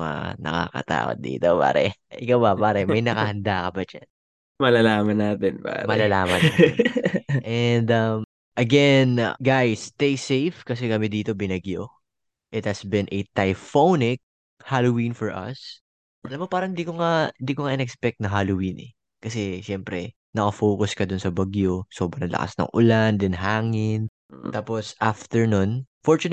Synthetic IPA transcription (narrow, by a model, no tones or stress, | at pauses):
a̰nɐ̰ka̰kɐ̰t̪a̰ːwɐ̰t̪̚d̪ḭːt̪opa̰ːɾɛ̰ʔɪkawbɐpaːɾɛmɐjnɐkɐhɐnd̪akɐbɐt͡ʃa̰n | mɐlalaːmɐnaːt̪ɪnpa̰ːɾmɐlalaːmɐn | ʔɛnd̪ɐm | ʔɐɡɛnɡajst̪ejsejfkɐsɛkɐmɪd̪iːt̪o̞bɪnɐɡjo | ʔɪt̪̚hɐsbɪ̃nʔɛt̪ɐjfownɪk̚ | halowĩnfɔɹʔɐ̰s | ʔɐlɐmːo̞paːɾɐŋɪnd̪ikoŋahɪnd̪ikoŋaʔɪnɛkspɛk̚t̪nɐɦalowinʔɛ̰ | kɐsɛʃɛmpɾɛ | nɐkɐfoːkʊskɐd̪ʊnsɐbɐɡjo̞so̞ːbɾɐnlɐ̰ka̰snɐ̰ŋʔʊland̪ɪnɦaːŋɪn | t̪aːposʔaft̪ɛɹnonfɔɹt͡ʃʊn